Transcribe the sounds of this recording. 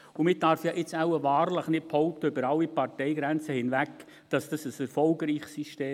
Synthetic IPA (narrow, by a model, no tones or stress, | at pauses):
ʊmɪd̥ɑɾfjɑʔɪt͡saʊəʋɑːɾləχnɪt̚phɔʊp̚t̪əøbəɾɑlːipɑɾtɛɪɡɾænt͡səhɪnʋæk | d̥ɑsd̥ɑsəsɛɾfɔlɡɾiːχsiʃteː